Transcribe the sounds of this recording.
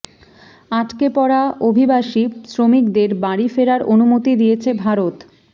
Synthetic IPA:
aʈkepɔɽaʔobʱibaʃisɾomikd̪eɾbaɽifeɾaɾʔonumot̪id̪ijet͡ɕʰebʱaɾot̪

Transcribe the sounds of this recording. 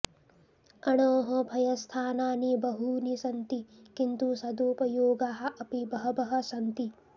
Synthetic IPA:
ɐɳoːɦɐbʱɐjɐst̪ʰaːnaːnibɐɦunisɐnt̪ikint̪usɐd̪uːpɐjoːɡaːɦɐ̆ʔɐpibɐɦɐbɐɦɐ̆sɐnt̪i

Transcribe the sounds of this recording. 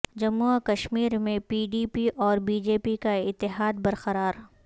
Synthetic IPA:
d͡ʒɐmːuakɐʃmiːɾmẽpiːɖiːpiʔɔːɾbiːd͡ʒeːpikaɪt̪ːɪɦaːd̪̚bɐɾqɐɾaːɾ

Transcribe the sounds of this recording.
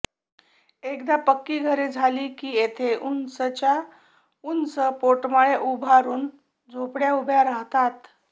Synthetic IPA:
ekd̪apəkːiːɡʱəɾed͡zʱaliːkiːet̪ʰeʔunsət͡ɕa | unsəpoʈməɭeʔubʱaɾuːn | d͡zʱopɽjaubʱjaɾaɦt̪at̪

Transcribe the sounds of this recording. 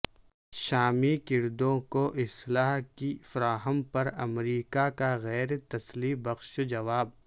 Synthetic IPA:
ʃaːmikɪɾd̪õkoʔɪslaːɦkifɐɾaːɦəmpɐɾɐmɾiːkakaɣɛːɾt̪ɐslibɐxʃd͡ʒɐʋaːb

